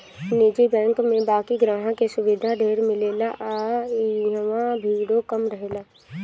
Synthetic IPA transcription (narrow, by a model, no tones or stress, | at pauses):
nɪd͡ʒibɛ̃ːŋkmẽbaːkiɡɾaːɦãkesʊʋɪd̪ʱad̪ʱeːɾmɪleːlaʔa | ɦwãbʱiːɽokəmɾəɦelaː